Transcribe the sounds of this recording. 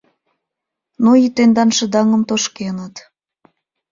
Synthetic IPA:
nuit̪end̪ɑnʃə̆d̪ɑŋə̆mt̪oʃkenət̪

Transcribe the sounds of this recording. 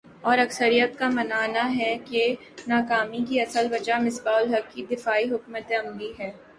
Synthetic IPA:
ɔːɾɐksəɾijət̪kamɐnaːnaɦɛke | naːkaːmikiɐsəlʋɐd͡ʒamɪsbaːʊlɦɐkːid̪ɪfaːiɦʊkmət̪eɐmliɦɛː

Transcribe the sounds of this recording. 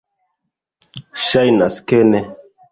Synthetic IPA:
ʃajnaskɛnɛ

